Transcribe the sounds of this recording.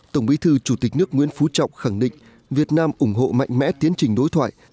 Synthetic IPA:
t̪ə˧˩wŋ͡mɓi˨˦t̪ʰɨ˧t͡ɕu˧˩t̪ï˨˩k̟̚nɨ˦˥ək̚ŋḭ˧˥ənfu˨˦t͡ɕɔ̰˧˨wŋ͡mxa˧˩ŋɗḭ̈˧˨ŋ̟ | vi˨˩ət̚naː˧mʔʊ˧˩ŋ͡mɦo̰˧˨ma̰˧˨jŋ̟mɛ̰˧˥t̪i˨˦ənt͡ɕï˨˩ŋ̟ɗo˨˦jt̪ʰwa̰ː˧˨j

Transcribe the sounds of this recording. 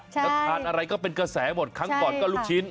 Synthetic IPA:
sɔ˨˦˩aː˧nʔa˧ɾa˧jkɔː˥˩pe˧nkɾa˧sɛː˩˦˥mo˨˩t̪̚kʰaː˦˥pɔː˨˩kɔː˥˩luː˥˩k̚t͡ɕʰi˦˥n

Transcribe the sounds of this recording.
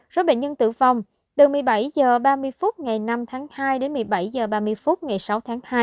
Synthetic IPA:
z̥o˨˦˥ɓḛ˧˨nɲə˧nt̪ɨ̰˧˩va˨˩wŋ͡m | t̪ɨ˨˩mɨ˨˩əjɓa˧˩jzəː˨˩ɓaː˧mɨ˧əjfu˦˥t̚ŋa˨˩jna˧mt̪ʰaː˨˦ŋhaː˧jɗe˨˦nmɨ˨˩əjɓa˧˩jzəː˨˩ɓaː˧mɨ˧əjfu˦˥t̚ŋa˨˩jsa˨˦wt̪ʰaː˨˦ŋhaː˧j

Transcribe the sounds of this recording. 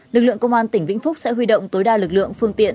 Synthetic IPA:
lɨ˨˩k̚lɨ̰˧˨əŋkə˧wŋ͡mʔaː˧nt̪ï˧˩ŋ̟vḭ˧˥ŋ̟fʊ˦˥k͡p̚sɛ̰˧˥ɦwi˧ɗo̰˧˨wŋ͡mt̪o˨˦jɗaː˧˩lɨ˨˩k̚lɨ̰˧˨əŋfɨ˧əŋt̪ḭ˧˨ən

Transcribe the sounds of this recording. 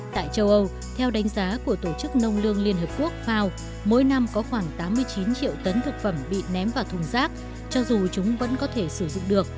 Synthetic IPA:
t̪a̰ː˧˨jt͡ɕə˧wʔə˧w | t̪ʰɛ˧wɗa˨˦jŋ̟zaː˨˦ku˧˩ət̪o˧˩t͡ɕɨ˦˥k̚nə˧wŋ͡mlɨ˧əŋli˧ənɦəː˨˩p̚ku˦˥ək̚faː˧w | mo̰˧˥jna˧mkɔ˨˦xwaː˧˩ŋt̪aː˨˦mːɨ˧əjt͡ɕi˨˦nt͡ɕḭ˧˨əwt̪ə˨˦nt̪ʰɨ˨˩k̚fə˧˩mɓḭ˧˨nɛ˨˦mvaː˨˩t̪ʰʊ˨˩ŋ͡mzaː˦˥k̚ | t͡ɕɔ˧zu˨˩t͡ɕʊ˨˦ŋ͡mvə̰˧˥nkɔ˨˦t̪ʰe˧˩sɨ˧˩zʊ̰˧˨ŋ͡mɗɨ˨˩ək̚

